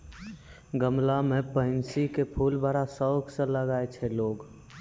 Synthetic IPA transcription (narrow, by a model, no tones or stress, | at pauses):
ɡəmlamepəɪnsikepʰulbaɾasəɡsə̃ləɡaet͡ʃʰɛloːɡ